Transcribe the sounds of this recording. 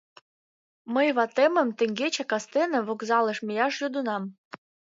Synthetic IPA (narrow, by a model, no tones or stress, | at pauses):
məjβɑt̪emə̆mt̪ə̆ŋɡʲet͡ɕɑkɑst̪enɤ̆βokzɑlˠə̆ʃmə̆jɑʃjod̪unɑm